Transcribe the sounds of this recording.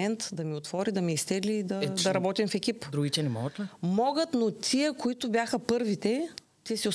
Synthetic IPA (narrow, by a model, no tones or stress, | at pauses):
ɛnt̪d̪ɐmiot̪vɔɾid̪ɐmiːst̪ɛd̪liːd̪ɐd̪ɐɾɐbɔt̪imfɛkʲipd̪ɾuɡit̪ɛnɛmɔ̰ɡət̪lɛmɔɡət̪not̪ʲʰiəkoit̪ʊbʲjaxɐpɤɾvit̪ɛ | t̪isiʊ